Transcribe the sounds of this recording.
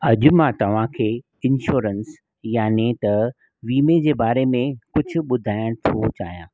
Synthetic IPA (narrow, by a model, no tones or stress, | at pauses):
ɐʄʊmãt̪ɐʋ̤ãkʰeː | ɪ̃nʃuːɾəns | jaːnit̪ɐ | ʋiːmed͡ʑeːbaːɾemẽkʊd͡ʑʱʊ̆ɓʊd̪ʱaːɪɽ̃t̪ʰot͡ɕa̰ːɦijã̰ː